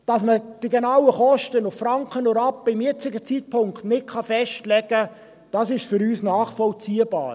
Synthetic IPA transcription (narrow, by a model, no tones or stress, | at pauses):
d̥ɑsməd̥iɡenawəχɔʃtənʊffɾɑŋkχənɔɾɑpːəɪmjɪt͡sɪɡət͡sit̚pʰʊŋktnɪt̚kχɑfɛʃtlɛɡə | d̥ɑːsɪʃfʏɾyːsnɑːχfɔlt͡siːəbɑ̰ːɾ